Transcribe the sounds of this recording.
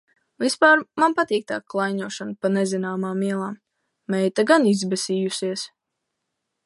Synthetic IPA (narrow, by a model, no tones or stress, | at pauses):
vispaːɾmanpat̪iːk̚t̪aːkkːlˠajɲuɔʃanpanɛzinaːmaːmiɛlˠaːmː | ɛjt̪aɡanizbɛsʲiːjusiɛs